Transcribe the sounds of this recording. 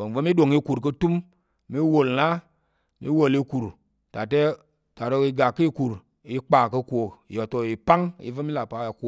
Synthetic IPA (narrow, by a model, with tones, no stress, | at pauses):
və˨nvə˦mi˦ɗo˨ŋi˦ku˨ɾkə˧tu˦m | mi˦wo˨lna˦ | mḭ˦wo˨li˦ku˨ɾ | ta˨te˦ | ta˨ɾo˧i˧ɡa˨kːə˦i˦ku˨ɾ | i˦k͡pa˨kə˧ko˨i˨ja˨to˨i˨pa˦ŋḭ˦və˦mi˦la˨pa˨˦ja˨ko˨